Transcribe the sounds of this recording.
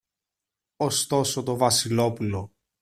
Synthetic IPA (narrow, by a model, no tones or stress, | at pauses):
ost̪o̞sot̪o̞vɐsilo̞pulo̞